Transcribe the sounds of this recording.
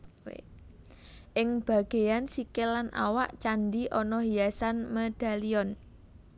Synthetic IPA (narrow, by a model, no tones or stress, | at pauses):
ʔɪŋb̥ä̤ɡ̥e̤jansikɪlːanʔa̰wa̰ʔt͡ʃand̪iʔɔnɔɦiasanmed̪̥a̤liɔn